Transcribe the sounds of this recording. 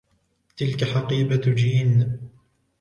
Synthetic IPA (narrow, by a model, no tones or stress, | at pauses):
t̪ɪlkaħaqiːbad͡ʒiːn